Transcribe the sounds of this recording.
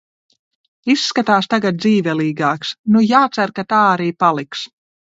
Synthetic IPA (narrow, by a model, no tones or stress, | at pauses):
isːkat̪aːst̪aɡat̪̚d̪ziːvʲɛlˠiːɡaːksnujaːt̪saɾkat̪aːaɾiːpalˠiks